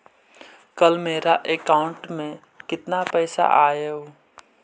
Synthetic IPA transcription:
kəlmeːɾaʔekaːʊ̃ɳʈmẽ | kɪt̪napɛːsa̰ʔaːjeɦoː

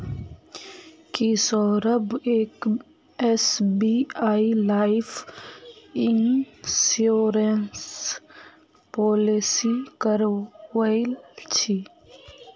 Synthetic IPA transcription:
kisɔɾəbeːk | ɛsbiaːilaːɪf | ɪnsoːɾens | pɔːlisikəɾwəlt͡ʃʰi

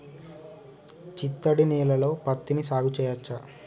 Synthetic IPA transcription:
t͡ʃit̪ːɐɽiniːlɐlo̞ːpɐt̪ːinisaːɡut͡ʃɛːjɐt͡ʃːa

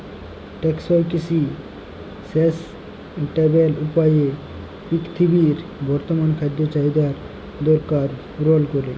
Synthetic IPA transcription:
ʈeksɔjkisi | ses | ʈebelupaje | kikt̪ʰibiɾbɔɾt̪omankʰad̪ːot͡ɕaɦid̪aɾ | d̪ɔɾkaɾ | ɾolkoɾe

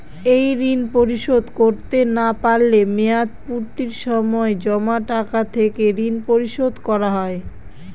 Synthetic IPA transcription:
ejɾinpoɾiʃod̪ʱkoɾt̪enapaɾlemead̪̚puɾt̪iɾʃɔmɔed͡ʑɔmaʈakat̪ʰekeɾinpoɾiʃod̪ʱkɔɾaɦɔe

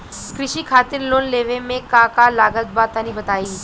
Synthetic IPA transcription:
kɾɪʃiːkʰaːt̪ɪɾloːnleːʋemẽkãːkalaːɡət̪̚baːt̪anĩbɐt̪aːiː

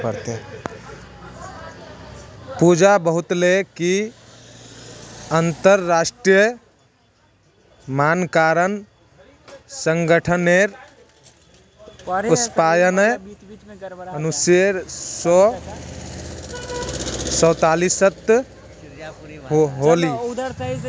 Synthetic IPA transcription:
pəɾt̪e | pud͡ʒabəɦut̪leki | ənt̪əɾːasʈɾijə | mankaɾən | səŋɡəʈʰəneɾ | uspajənə | ənuseɾsɔ | sɔwt̪alisət̪ | ɦoli

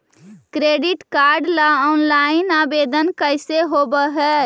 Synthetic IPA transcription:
kɾeɖiʈkaɾɖlaɔnlainabed̪ənkəjseɦobəɦɛ

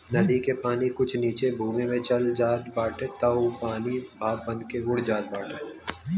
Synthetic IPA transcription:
nɐd̪ikepaːnikʊt͡ʃʰniːt͡ʃebʱuːmẽmẽt͡ʃɐld͡ʒaːt̪baːʈet̪ɐʊpaːnibʱaːb̚bɐnkeʊɽd͡ʒaːd̪̚baːʈe

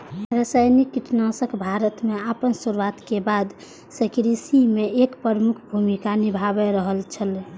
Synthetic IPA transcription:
ɾəsajnikːiʈnasəkʰbʱaɾət̪meapənsuɾwat̪kebad̪ | səkɾisimeekpɾəɾmukʰbʱumikanibʱabeɾəɦəlt͡ʃʰəl

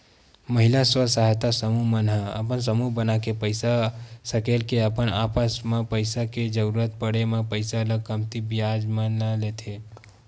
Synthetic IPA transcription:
məɦɪilaswəsaɦjt̪asəmuɦmənɦəə̰pəns̬əmuɦbənakepəɪsasəkelkeəpənapəsmẽpəɪsaked͡ʒəɾuɾət̪̚pəɽemẽpəɪsaləɡ̚kəmt̪ibijad͡ʒmənəlet̪ʰe

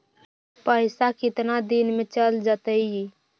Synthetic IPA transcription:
pəɪsakɪt̪nad̪inmet͡ʃəld͡ʒət̪əji

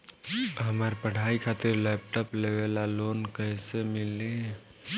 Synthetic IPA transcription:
ɦəmaɾpəɽ̤ʱaːikʰaːt̪ɪɾlɛːp̚ʈɔːpleːʋelaloːnkɛːsemɪlːe

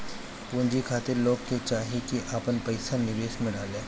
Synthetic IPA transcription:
pũːɲd͡ʒikʰaːt̪ɪɾloːɡket͡ʃaːɦikiʔaːpənpɐɪsanɪʋeːʃmẽɖaːlẽː

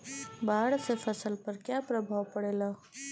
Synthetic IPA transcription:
baːɽsefʰəsəlpəɾkjapɾəbʱaʋpəɽela

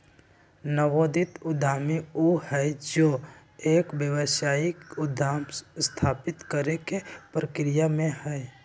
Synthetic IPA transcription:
nəʋoːd̪ɪt̪ʊd̪ʱaːmiohɛd͡ʒoː | eːkbjəwəʃaːɪkʊd̪ʱaːmst̪ʰaːpɪt̪kəɾekepɾəkɾijamẽhɛ

